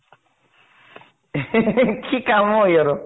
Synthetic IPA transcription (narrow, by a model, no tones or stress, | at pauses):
kʰikamojeɾo